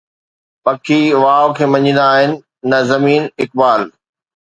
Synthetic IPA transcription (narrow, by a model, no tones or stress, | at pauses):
pɐkʰiʋaːokʰeːmɐ̃ɲĩnd̪aːɦɪnɪ̆ː | ɐzɐmiːnɪk̚baːl